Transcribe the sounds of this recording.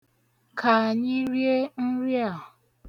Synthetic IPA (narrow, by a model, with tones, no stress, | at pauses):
kʰa˨a˨ɲɪ˦ɾje˦n̩˦ɾi˦a˨